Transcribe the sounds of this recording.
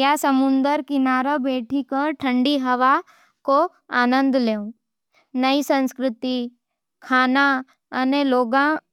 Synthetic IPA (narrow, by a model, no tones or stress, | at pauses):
jasəmund̪əɾkinaɾəbeʈʰikəʈʰəɳɖiɦəʋa | ko | aːnə̃nd̪lew | nəisə̃nskɾɪt̪i | kʰana | əneloːɡã